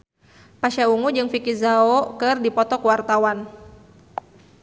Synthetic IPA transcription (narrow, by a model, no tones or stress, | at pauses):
paʃauŋud͡ʒɨŋfikizaɔkɨrdipɔt̪ɔkuwart̪awan